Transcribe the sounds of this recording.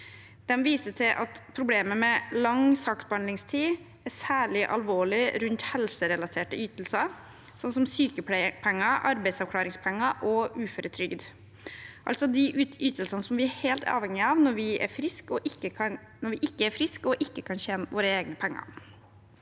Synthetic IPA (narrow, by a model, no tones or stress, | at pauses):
d̪̥ɛmʋiːsət̪ʰɪlʔɑt̪pʰɾʊbleːməmɛlɑŋsɑkt̪̚bɑnlɪŋst̪ʰiː | æsæːɭɪʔɑ̰lʋoːɭɪɾʉnt̪hɛlsəɾɛlɑt̪ʰeːʈəyːt̪l̩sɑ | sɔnsɔmsyːkəppʰɛŋːɑʔɑ̰ɾbæɪsɑʋkʰlɑːɾɪŋspʰɛŋːɑʔɔʉːføːɾət̪ʰɾʏɡd̪ | ʔɑlsɔd̪ɪʔʉːyːt̪əlsɑnəsɔmʋɪæheːlt̪ʰɑ̰ːʋhɛŋɪɑʋnɔɾʋɪʔæ̰ɾfɾɪskɔʔɪkːəkʰɑn | nɔɾʋɪʔɪkːəæɾfɾɪskɔʔɪkːəkʰɑnɕɛːnʋoːɾəeːɡnəpʰɛŋːɑ̰